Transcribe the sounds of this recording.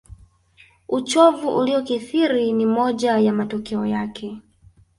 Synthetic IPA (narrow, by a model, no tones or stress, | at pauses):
ut͡ʃɔvuʔuliɔkiθiɾinimɔʄajamatɔkɛɔjakʰɛ